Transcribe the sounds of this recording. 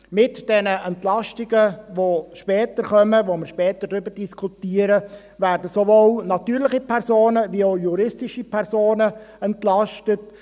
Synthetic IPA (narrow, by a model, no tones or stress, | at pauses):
mɪtd̥ɛnəʔɛntlɑʃtɪɡəʋoʃpɛːtəɾχœməʋoməɾʃpɛːtəd̥ɾʏbəɾdiskʰutiːəɾə | væːrdəsoʋoːlnɑt̪yːɾlɪχipʰɛɾsoːnəʋioʊjuɾɪstɪʃipʰɛɾsoːnəɛntlɑʃtət